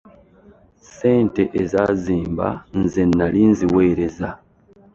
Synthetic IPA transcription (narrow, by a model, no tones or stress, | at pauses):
seːnteʔezaziːmba̰nzenːalinziweːɾeza